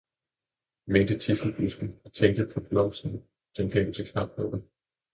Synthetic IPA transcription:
mend̥ət͡sʰisl̩b̥usɡ̥n̩ɒt͡sʰeŋ̰ɡd̥əpʰɒ̽b̥lɒʊsn̩ | d̥enkʰɛ̰t͡sʰekʰnɑ̈b̥̚nɔ̽b̥n̩

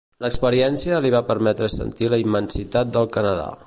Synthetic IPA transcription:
ləkspəɾiɛnsiəliβapəɾmɛt̪ɾəsə̰nt̪iləimːənsit̪at̪̚d̪əlˠkənəða̰

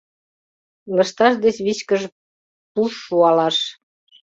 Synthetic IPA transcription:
ləʃt̪ɑʃd̪et͡ɕβit͡ɕkəʒ | puʃːuɑlɑʃ

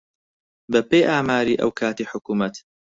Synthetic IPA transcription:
bɐpejʔaːmaːɾiːʔɐ̰wkʰaːt̪iːħʊkuːmɐt̪

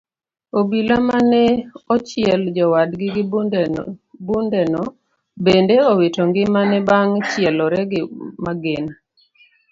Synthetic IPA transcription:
obilamanɛɔt͡ʃɪɛld͡ʒɔwadɡɪɡ | bundɛnɔ | bendeowetoŋɡɪmanɛbaŋt͡ʃɪɛlɔɾɛɡɪmaɡena

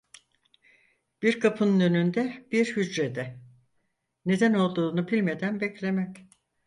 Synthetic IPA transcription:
b̥iɾkʰapʰɯnnønynd̪ɛb̥iɾhyd͡ʒɾed̪ɛ | ne̞d̪æno̞lˠd̪uːnubilʲme̞d̪ænbɛclʲe̞mɛc

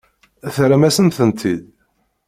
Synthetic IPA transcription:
θɾæmæsənθənt̪ʰid̪

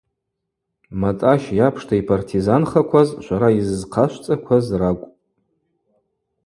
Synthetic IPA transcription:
matʼaʃjapʰʂtʰaipʰartʰizanχakʷʰazʃʷaɾaizzqʰaʃʷt͡sʼakʷʰazrakʷʼ

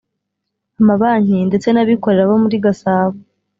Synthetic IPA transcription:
amaβaːɲinde̞t͡se̞naβiko̞ɾe̞ɾaβomuɾiɡasaːβo

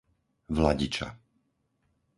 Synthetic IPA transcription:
ʋlaɟit͡ʃa̰

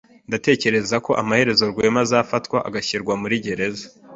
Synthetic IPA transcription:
ndate̞ːce̞ɾe̞zako̞ʔamahe̞ɾe̞zo̞ɾɡwe̞ːmazaːfatkwaʔa̰ɡaçiɾɡwamuɾiɟe̞ɾe̞za

